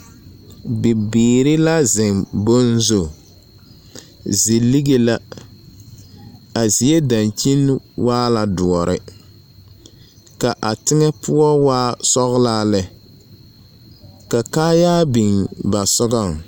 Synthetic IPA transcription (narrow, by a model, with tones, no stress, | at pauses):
bɪ˨biː˨ɾɪ˦la˦zɪ˨ŋbo˦nzo˨ | zi˨li˦ɡe˦la˦ | a˨zi˨e˦da˨nt͡ʃi˦n˦waː˦la˨dʊ˨ɔ˨ɾʔɪ̰˨ | ka˨ʔa˨tɪ˦ŋɛ˦pʊ˦ɔ˦waː˦sɔ˦ɣlaː˦lɛ˨ | ka˨kaː˦jaː˦bi˨ŋba˨sʊ˦ɡa˦˨ŋ